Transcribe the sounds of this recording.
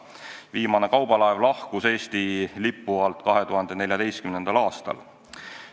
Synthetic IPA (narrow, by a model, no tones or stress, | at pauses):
viːmɑne̞kɑwbɑlɑevlɑhkuse̞ːst̪ilipːuɑlt̪ˑkɑɦe̞t̪uɦɑnd̪̥e̞ne̞lʲjɑd̪e̞jst̪kymne̞nd̪̥ɑlɑːst̪ɑ̰l